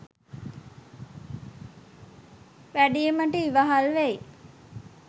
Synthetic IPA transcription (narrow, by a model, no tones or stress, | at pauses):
ʋæɖijeməʈəiʋaɦalʋæj